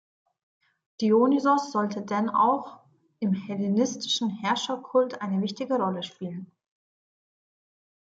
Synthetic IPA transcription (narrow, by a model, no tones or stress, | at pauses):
d̥ioːnizɔsz̥ɔltədana̰ʊx | ʔɪmhɛlinɪstɪ̥ʃn̩hɛɐʃɐkʰʊltʔaɪnəvɪçtɪɡəʁɔləʃpiːlən